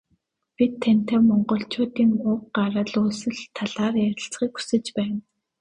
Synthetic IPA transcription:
pʲit̪ʰːæn̥ʲt̪eːmɔɴɢɞ̆ɬt͡ɕʊːt̪iːŋʊk̚ɢaɾə̆ɮuːsɘ̆ɮt̪ʰːaɮaːrjæɾʲɪ̆ɬt͡sχiːku̥sɘ̆t͡ɕpæːn

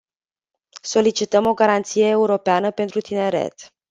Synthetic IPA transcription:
so̞lit͡ʃit̪əmo̞ɡaɾant̪sijeːuɾo̞peanəpe̞nt̪ɾut̪ine̞ɾḛt̪

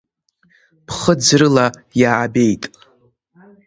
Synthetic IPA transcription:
pʰχəd͡zrɨlajaːbe̞jtʼ

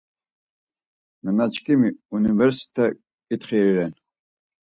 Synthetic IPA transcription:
nənat͡ʃkʼimiunivɛɾsi̥t̪ʰɛ | kʼit̪χiɾiɾɛn

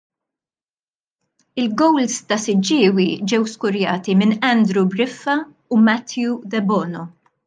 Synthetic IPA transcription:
ɪlɡɔwlst̪ɐsɪd͡ʒɪːwid͡ʒɛwskʊɾjɐːt̪imɪnɛnd̪ɾubɾɪfːɐ | ʊmɐt̪jud̪ɛbɔːnɔ

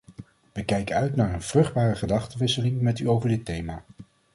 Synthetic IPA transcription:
ʋəkɛjkəœɥtnaːɹənv̥rɵχd̚baːrəχədɑχtəʋɪsəlɪŋmɛtyowvəɹdɪtːejmaː

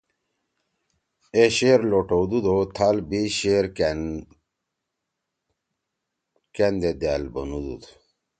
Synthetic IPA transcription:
eɕeɾloʈod̪ud̪ot̪ʰalbiɕeɾ | kend̪ed̪albənud̪ṵd̪

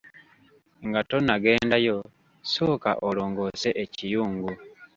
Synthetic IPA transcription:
ŋɡato̞naɡe̞ːndajo̞ | so̞ːka̰ʔolo̞ːŋɡo̞ːse̞ʔecijuːŋɡu

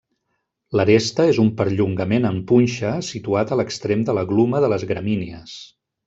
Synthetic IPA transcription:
ləɾest̪əezumpəɾʎuŋɡəmenəmpunʲʃəsit̪uat̪ələkst̪ɾemd̪ələɣluməðələzɣɾəminiəs

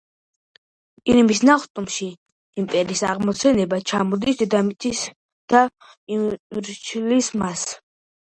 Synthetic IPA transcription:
kʼiɾimisnaχt̪ʼumʃi | impʼɛɾiːsaʁmɔsɛnɛbat͡ʃʰamɔd̪isd̪ɛd̪amit̪ʼis | d̪̥a | iɾt͡ʃʰlismas

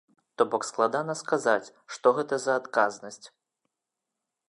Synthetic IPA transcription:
t̪ɔbɔksklˠad̪anɐskazat͡sʲ | ʂt̪ɔɣɛt̪ɐzɐːt̪kaznɐsʲt͡sʲ

